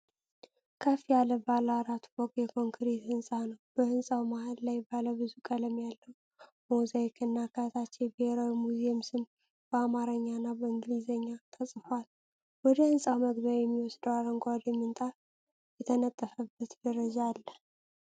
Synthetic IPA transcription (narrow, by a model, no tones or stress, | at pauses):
kʰəfijaləbalaɾat̪ʰubɔkʼjɛkʰo̞ŋkʰɾet̪hɨnsʼanəwb̥əhɨnsʼawmahɨllajbaləbɨzukʼələmjalːəw | mozaikʰɨnːakʰat̪ʰat͡ʃːɛjbiheɾawimuzimsɨm | b̥əamaɾəɲːanːabəɨŋɡlizəɲːat̪ʰəsʼɨfal | wɔd̪əhɨnsʼawməɡbəɾjɛmːiwɔsd̪əwaɾəŋɡʷad̪jɛmːɨnt̪ʼa | jɛt̪ʰənət̪ʼːəfəbːət̪d̪əɾəd͡ʒalːə